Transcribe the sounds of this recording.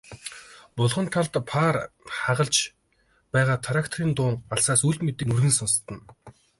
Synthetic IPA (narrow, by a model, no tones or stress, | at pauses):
pʊɮʁɞ̆nt̪ʰaɮt̪pʰaːrχaʁə̆ɮt͡ɕ | pæːʁaːt̪ʰaɾʲakt̪ʰriːnt̪ʊːɴɢaɮsaːsujɮmet̪ɘ̆nurɣɘ̆nsɔnst̪ə̆n